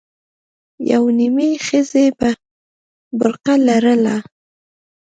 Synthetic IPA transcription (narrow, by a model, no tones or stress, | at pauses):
ja̰wnimixəzeba | bʊɾqalaɾəla